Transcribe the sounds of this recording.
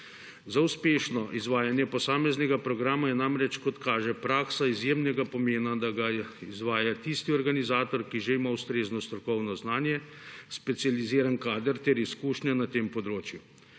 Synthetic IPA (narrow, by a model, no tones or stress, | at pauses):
zauspeːʃnɔʔizʋaːjanjɛpɔsaːmɛznɛɡapɾɔɡɾaːmajɛnamɾɛt͡ʃkɔt̪kaːʒɛpɾaːksaizjeːmnɛɡapɔmeːnad̪aɡaizʋaːjat̪ist̪iɔɾɡanizaːt̪ɔɾkiʒeimawst̪ɾeːznɔst̪ɾɔkɔwnɔznaːnjɛspɛt̪sializiːɾankaːd̪əɾt̪ɛɾiskuːʃnʲanat̪eːmpɔd̪ɾoːt͡ʃju